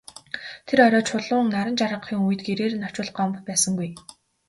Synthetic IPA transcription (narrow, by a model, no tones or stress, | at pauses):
t̪ʰeɾɔɾɔːt͡ɕʰʊɮʊːŋnaɾə̆nt͡ɕaɾə̆qχiːŋuj̆t̪ɡeɾeːrnɔ̥t͡ɕʊ̆ɮɢɔmppæːsə̆ŋɡuj